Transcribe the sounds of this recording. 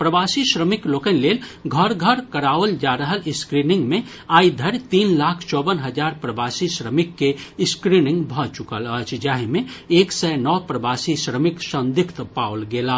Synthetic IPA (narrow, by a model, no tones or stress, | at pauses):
pɾəbaːsiʃɾəmɪkloːkənleːlɡʱəɾɡʱəɾkəɾaːʋəld͡ʒaːɾəɦəlɪskɾiːnɪ̃ŋɡmẽ | aːid̪ʱəɾt̪iːnlaːkʰt͡ʃɔːbənɦəd͡ʒaːɾpɾəbaːsiʃɾəmɪkːeskɾiːnɪ̃ŋɡbʱɔt͡ʃʊkələt͡ʃd͡ʒaːɦemẽeːksɛnɔːpɾəbaːsiʃɾəmɪkʃə̃nd̪ɪkʰt̪paːʊlɡeːlaː